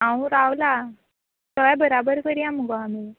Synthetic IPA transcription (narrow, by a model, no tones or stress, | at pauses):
ãwɾaʋla | səʋjabəɾabəɾkəɾiãməɡoami